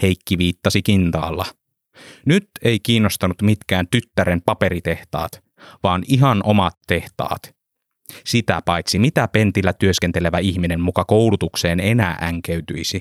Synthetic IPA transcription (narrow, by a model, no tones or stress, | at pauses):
he̞jkːiʋiːt̪ːɑsikint̪ɑ̰ːlːɑ | nyt̪e̞ik̟iːnːost̪ɑnut̪mit̪k̟æːnt̪yt̪ːæɾempɑpe̞ɾit̪e̞ht̪ɑ̰ːt̪ | ʋɑːniɦɑnʔo̞mɑt̪ːe̞ht̪ɑ̰ːt̪ | sit̪æ̰pɑjt̪simit̪æpe̞nt̪ilːæt̪yø̞ske̞nt̪e̞le̞ʋæiçmine̞mmukɑkowlut̪ukse̞ːne̞næːʔæŋk̟eyt̪yjsi